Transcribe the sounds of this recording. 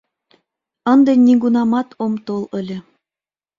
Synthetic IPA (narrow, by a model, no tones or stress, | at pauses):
ɤ̆nd̪ɤ̆nʲːiɡunɑmɑt̪ʰomt̪olˠə̆lʲĕ